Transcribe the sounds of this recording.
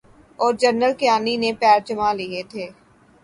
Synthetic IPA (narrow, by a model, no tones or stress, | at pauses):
ɔːɾd͡ʒəɾnəlkɪjaːninepɛːɾd͡ʒəmaliet̪ʰeː